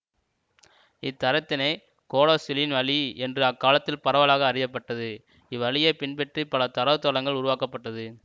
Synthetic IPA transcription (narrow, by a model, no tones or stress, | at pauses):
ɪt̪ːɐɾɐt̪ːɪnɐɪ | koːɽoːsɪlɪnʋɐɭiɛndrɯɐkːaːlɐt̪ːɪlpɐɾɐʋɐlaːɣɐːrɪjɐp̬ːɐʈːɐðɯ | ɪʋɐɭɪjɐpɪnpɛʈripɐlɐt̪ɐɾɐʋɯt̪ːɔlɐŋɡɐɭʊɾʊʋaːkɐpːɐʈːɐðɯ